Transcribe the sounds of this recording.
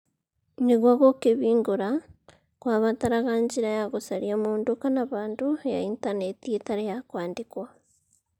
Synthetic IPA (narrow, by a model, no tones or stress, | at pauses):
niɣwaɣokeβiːŋɡoɾa | kwaːβataɾaɣaɲɟiɾajaɣosaɾiamuːndukanaβaːnduja̰intanetietaɾejakwaːndikwa